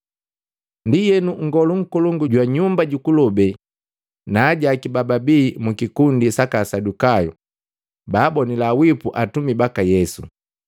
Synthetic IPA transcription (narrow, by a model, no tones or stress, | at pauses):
ndijɛnuŋ̩ɡɔluŋ̩kɔlɔŋɡuɟwaɲumbaɟukulɔbɛ | naːɟaːkibababiːmukikundisakasadukajɔ̰ | baːbɔnilawipuʔatumibakajɛsṵ